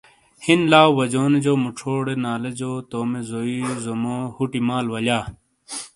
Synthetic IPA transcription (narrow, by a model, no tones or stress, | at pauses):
hinlaːwwɐd͡ʑoːned͡ʑoːmuʈ͡ʂʰoːɽenaːled͡ʑoːt̪oːmezoizomohuʈimaːlwɐlaː